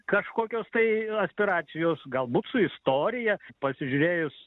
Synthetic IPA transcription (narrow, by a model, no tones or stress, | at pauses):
kɐʃkoːkʲoːst̪ɐɪɐsʲpʲɪɾɑːsʲɪjoːsɡɐlˠbuːt̪sʊɪst̪oːɾʲɪjɛpɐsʲɪʒʲʊɾʲeːjʊs